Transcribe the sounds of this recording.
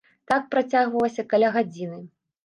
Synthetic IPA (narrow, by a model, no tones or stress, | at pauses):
t̪ak̚pɾat͡sʲaɣvɐlˠɐsʲɐkalʲaɣad͡zʲinɨ